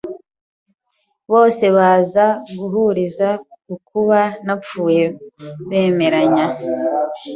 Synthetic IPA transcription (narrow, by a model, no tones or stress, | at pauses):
βo̞ːse̞βaːzaɡuɦuɾizaukuβanap͡fuːje̞βe̞ːme̞ɾaɲa